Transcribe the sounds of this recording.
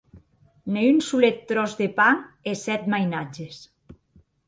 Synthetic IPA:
neynsulet̪ːɾɔzðepaŋesɛt̪majnad͡ʒes

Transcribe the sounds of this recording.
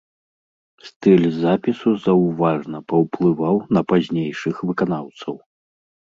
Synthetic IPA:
st̪ɨlʲzapʲisuzɐwvaʐnɐpɐwplˠɨvawnɐpazʲnʲejʂɨxvɨkanawt̪sɐw

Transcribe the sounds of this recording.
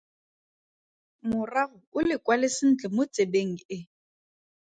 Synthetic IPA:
mʊraɣʊʊlɪkwalɪsɪn̩t͡ɬʼɛmʊt͡sʼebeŋ̩ɪ

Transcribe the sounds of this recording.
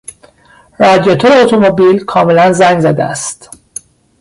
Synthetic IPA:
ɾɒːd̪ijot̪ʰoɾeot̪ʰomobiːlkʰɒːmelænzæŋɡzæd̪eæ̰st̪

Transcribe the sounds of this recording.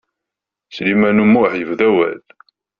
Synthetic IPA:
slimænumːʊħjəvðæwæ̰l

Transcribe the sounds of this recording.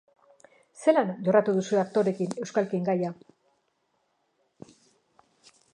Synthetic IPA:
se̞lanʝo̞rat̪uðusueak̚t̪o̞ɾe̞kine̞wskalkieŋɡaja

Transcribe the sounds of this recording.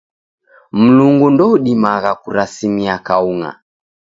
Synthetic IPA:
m̩luŋɡundɔuɗimaɣakuɾasimiakauŋa̰

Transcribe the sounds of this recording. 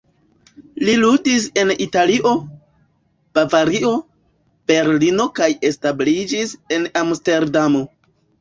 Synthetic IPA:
liludis̬e̞nitaliʔo̞ | b̥avaɾio̞ | b̥e̞ɾlino̞kaje̞stablid͡ʒise̞namste̞ɾdamo̞

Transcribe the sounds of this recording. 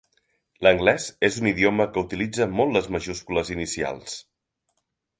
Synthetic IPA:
ləŋɡlɛz̥ezuniðioməkəut̪ilid͡zəmɔlːəzməʒuskuləzinisia̰lˠs

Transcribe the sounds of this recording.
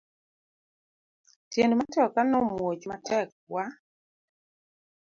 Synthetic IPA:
tjendmatɔkanɔmwot͡ʃmatɛk̚ | wa

